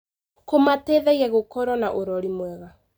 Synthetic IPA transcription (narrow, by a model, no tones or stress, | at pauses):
komatɛðɛiɛɣokɔɾwɔnaʔoɾɔɾimwɛɣa